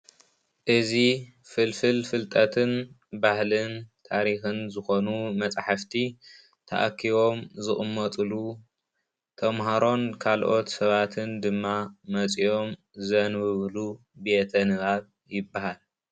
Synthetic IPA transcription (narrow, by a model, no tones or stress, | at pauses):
ʔɨzi | fɨlfɨlfɨlt̪ʼɐt̪ʰɨn | bahlɨnt̪ʰaɾixɨnzɨxo̞numɐt͡sʼħaft̪ʰi | t̪ʰa̰ʔa̰kʰːiβo̞mzɨχʼɨmːɐt̪ʼɨlu | t̪ʰɐmɦaɾo̞nkʰalʔo̞t̪sɐβat̪ʰɨnd̪ɨmːamɐt͡sʼijo̞m | zɐnwɨβlu | bet̪ʰɐnɨβaβ | jɪbːahal